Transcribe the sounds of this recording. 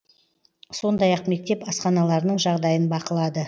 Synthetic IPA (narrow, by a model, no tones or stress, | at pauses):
so̞nd̪ɑjɑqme̞k̚t̪e̞pɑsqɑnɑlˠɑɾənəɴʒɑʁd̪ɑjənbɑqəlˠɑd̪ə